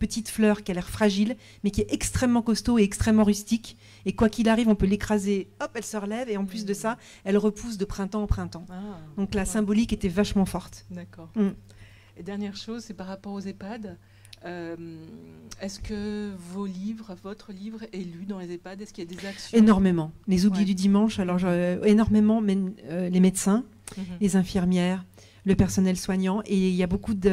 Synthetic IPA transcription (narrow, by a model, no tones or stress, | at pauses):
pət̪it̪flœʁkʲialɛʁfχaʒil | mɛkʲiɛɛkst̪χɛmːɑ̃kɔst̪oeɛkst̪χɛmːɑ̃ʁyst̪ik | ekwakʲilaʁivɔ̃pølekχazeɔpɛlsəʁəlɛveɑ̃plys̬d̪əsa | ɛlʁəpʰus̬d̪əpχɛ̃t̪ɑ̃ːpχɛ̃t̪ɑ̃ad̪ɔ̃klasɛ̃bɔliket̪ɛvaʃmɑ̃fɔʁt̪d̪akɔːʁm̩ | ed̪ɛʁnjɛʁʃozsɛpaʁːapɔʁozepad̪ | øm | ɛskəvolivʁəvɔt̪χəlivʁelyd̪ɑ̃lezepad̪ɛskʲiljad̪ezaksjenɔʁmemɑ̃lezublid̪yd̪imɑ̃ʃalɔʁʒenɔʁmemɑ̃mɛmølemed̪sɛ̃ | lezɛ̃fiʁmjɛːʁ | ləpɛʁsɔnɛlswaɲɑ̃ʔeiljabokud̪